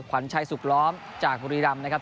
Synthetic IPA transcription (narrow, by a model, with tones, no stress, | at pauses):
kʰa˩˦nt͡ɕʰa˧jsu˨˩k̚lɔː˦˥m | t͡ɕaː˨˩k̚buː˧ɾiː˧ɾa˧mna˦˥kʰa˦˥p